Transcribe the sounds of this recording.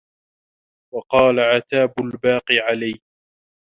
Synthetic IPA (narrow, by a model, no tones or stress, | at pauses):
wɑqɑːlaʕat̪aːbʊlbaːqiʕalaj